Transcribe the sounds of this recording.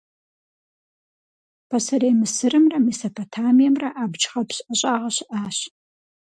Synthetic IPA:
pʰɐsɐreːmɨsɨrɨmrɐmisɐpʰotʰaːmijɛmrɐʔaːbt͡ʃχɐpɕʼɐɕʼaːʁɐɕɪʔaːɕ

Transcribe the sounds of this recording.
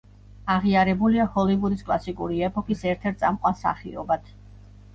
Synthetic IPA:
aʁiaɾɛbuliahɔlivud̪iskʼlˠasikʼṵɾiɛpʰʼɔkʰisɛɾt̪ʰɛɾt̪̚sʼamqʼwansa̰χḭɔbat̪ʰ

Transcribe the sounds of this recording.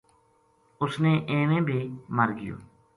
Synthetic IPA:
ʊsneːʔeːnẽːbʱiːməɾɡɪjo̰ː

